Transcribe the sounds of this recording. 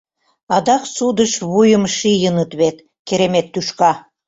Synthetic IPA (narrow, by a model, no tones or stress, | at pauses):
ɑd̪ɑksud̪əʃβujə̆mʃijənət̪βet̪ | keɾemet̪ːyʃkɑ